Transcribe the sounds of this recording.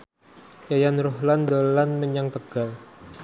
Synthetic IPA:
jajanroɦland̪olanməɲaŋt̪əɡ̥al

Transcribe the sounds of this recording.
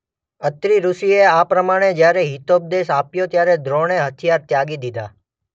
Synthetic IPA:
ət̪ɾiɾusieapɾəmaɽ̃ed͡ʒjaɾeɦit̪ob̚d̪esapjot̪jaɾɛd̪ɾoɽ̃eɦət̪ʰjaɾt̪jaɡid̪id̪a̰

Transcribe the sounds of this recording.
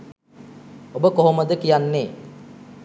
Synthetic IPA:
obəkoɦoməd̪əkijanːeː

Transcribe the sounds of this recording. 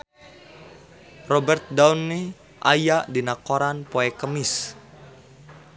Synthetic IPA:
rɔbɛrt̪̚daunːi | ʔajaʔdinakoɾanpoɛkəmis

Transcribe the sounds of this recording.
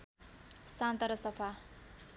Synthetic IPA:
sant̪ʌɾʌsʌpʰa

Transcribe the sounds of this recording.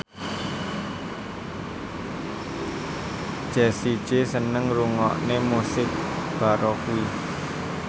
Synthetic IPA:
ʒ̥ɛ̤si̥d͡ʒ̥esənəŋɾuŋɔʔnemusɪk̚b̥a̤ɾokui

